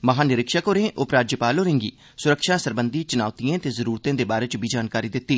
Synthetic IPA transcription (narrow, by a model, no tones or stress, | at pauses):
məɦaːnɪɾɪkʃakoːɾẽːʔʊpɾaːd͡ʒəpaːloːɾẽːŋɡḭː | sʊɾəkʃaːsəɾbənd̪iːt͡ʃʊnaːʊt̪ijãːt̪eːzəɾuːɾt̪ãːd̪eːbaːɾeːt͡ʃbiːd͡ʒaːnkaːɾiːd̪ɪt̪ːiː